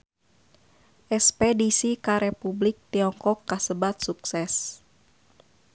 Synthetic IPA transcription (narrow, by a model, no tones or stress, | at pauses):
ʔɛspɛdisikaɾɛpublik̚t̪iɔŋkɔkːasəbat̪̚suksɛs